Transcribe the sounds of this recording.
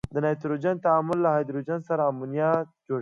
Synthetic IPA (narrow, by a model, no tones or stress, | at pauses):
d̪ənajt̪ɾod͡ʒant̪aamʊlːahajd̪ɾod͡ʒansaɾaːmunijɑt̪̚d͡ʒoɽ